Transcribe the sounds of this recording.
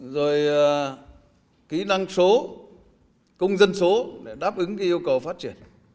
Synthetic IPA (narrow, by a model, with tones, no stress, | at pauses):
zo˨˩j | kḭ˧˦na˧ŋso˨˦ | kʊ˧wŋ͡mzə˧nso˨˦ɗe˧˩ɗaː˦˥p̚ʔɨ˨˦ŋka˧˦ʔi˧əwkə˨˩wfaː˦˥t̚t͡ɕi˧˩ən